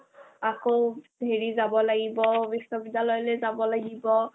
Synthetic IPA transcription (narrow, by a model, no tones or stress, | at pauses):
akodʱeɹizabɔlaɡibɔbisɔbidalɔjlɛzabɔlaɡibɔ